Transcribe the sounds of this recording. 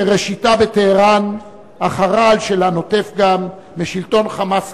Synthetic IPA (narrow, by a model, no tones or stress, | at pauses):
ʁeʃitabet̪eheʁan | aχaʁaːlʃelano̞t̪efɡamː | eʃilt̪o̞nχamas